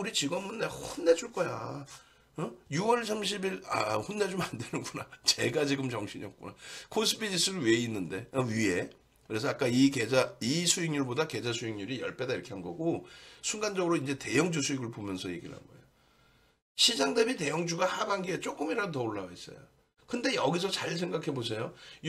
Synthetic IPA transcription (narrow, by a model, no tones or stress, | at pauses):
uɾit͡ɕiɡʌnmunːehonːe̞d͡ʑuɭk͈ʌja̰ | ʌjuwʌɭs̬ʰamɕ̬ʰibiɭa̰honːed͡ʑomandenɯnɡunat͡ɕe̞ɡad͡ʑiɡɯmt͡ɕʌŋɕʰiɲiʌk̚k͈unakʰosʰɯbʰiɲis͈ʰɯɾɯwe̞inːɯnde̞ʌɥie̞ | kɯɾe̞s̬ʰʌak͈aike̞d͡ʑaisʰuiŋɲuɭbodake̞d͡ʑasʰuiŋɲuɾijʌ̰ɭp͈e̞daiɾʌkʰe̞ɦanɡʌɡosʰuŋɡand͡ʑʌɡɯɾoind͡ʑe̞te̞jʌŋd͡ʑusʰuiɡɯɭbomjʌnsʰʌje̞ɡiɾa̰nɡʌ̰ejo | ɕʰid͡ʑaŋdebite̞jʌŋd͡ʑuɡahabaŋɡiet͡ɕ͈ok͈ɯmiɾadotʌoɭːawais͈ʌ̰jo̰ | kɯnde̞jʌɡis̬ʰʌt͡ɕaɭs̬ʰe̞ŋɡakʰe̞bos̬ʰe̞jo